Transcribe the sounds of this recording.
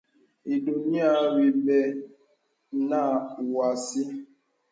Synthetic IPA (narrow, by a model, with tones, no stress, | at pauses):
i˨do˨ni˦a˦ɾi˨be˨ | na˦˨wa˨si˦